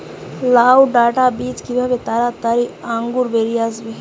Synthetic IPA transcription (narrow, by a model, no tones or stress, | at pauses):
laːwɖaːʈabiːt͡ʃkibʱabet̪aɾat̪aɾiãŋɡuɾbeɾiazbe